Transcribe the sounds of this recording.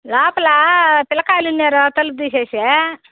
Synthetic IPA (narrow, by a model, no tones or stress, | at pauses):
laːpɐlɐpɪlɐkaːlunːeːɾot̪ɐlup̚d̪iːseːse